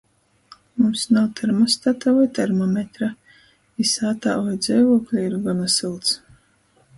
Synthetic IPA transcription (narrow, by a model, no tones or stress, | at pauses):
mumsnawt̪ʰɛɾmɔst̪at̪avajt̪ɛɾmɔmʲet̪ɾa | isaːt̪a̰ːvajd̪zʲɛjvuɔklʲiiɾɡɔnasɨlˠt̪s